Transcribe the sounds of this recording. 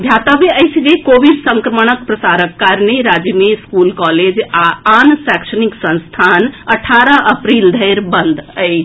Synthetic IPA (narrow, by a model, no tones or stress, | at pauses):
d̪ʱjat̪abeəjsd͡ʒekobiɖsə̃ŋkɾəməɳ̃ək̚pɾəsaɾəkːaɾneɾad͡ʒjəmeskulkɔled͡ʒaansɛksəniksə̃ñst̪ʰanəʈʰaɾəʔəpɾild̪ʱəjɾbənd̪ʱəj